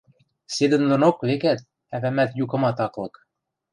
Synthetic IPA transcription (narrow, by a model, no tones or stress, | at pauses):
sed̪ɘ̆nlɤ̆nokvekæt̪̚ | ævæmæt̪jukɤ̆mɑt̪ɑqlˠɤ̆k